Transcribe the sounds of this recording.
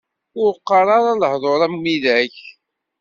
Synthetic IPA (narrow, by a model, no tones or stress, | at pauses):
ʊɾqːɑɾˤɑɾˤɑləhðˤoɾˤæmmːiðæç